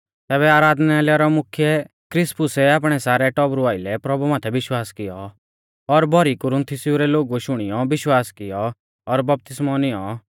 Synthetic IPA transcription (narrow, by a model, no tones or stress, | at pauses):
t̪ɛːβɛaːɾaːd̪nalaɾɔmʊkʰjɛ | kɾɪspʊsɛaːp̬ɽ̃ɛsaːɾɛʈɔbɾʊaːɪlɛpɾɔbumaːt̪ʰɛʋɪʃwaːskɪjɔ | ɔɾbʱɔɾikʊɾʊ̃nt̪ʰɪsɪuɾɛloːɡuʃʊɽ̃ɪjɔbɪʃwaːskɪjɔ | ɔɾbɐp̚t̪ɪsmɔnɪjɔ